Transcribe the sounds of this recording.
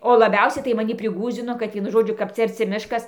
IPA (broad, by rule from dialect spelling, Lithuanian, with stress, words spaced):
oː lˠɐˈbʲɛʊsʲɛɪ tɐɪ mɐˈnʲɪ pʲrʲɪˈɡuːzʲd͡zʲɪnoː kɐt ˈʋʲiɛnʊ ˈʒoːd͡ʒʲʊ kɐp ˈt͡sʲɛ ɐrʲˈt͡sʲɪ ˈmʲɪʃkɐs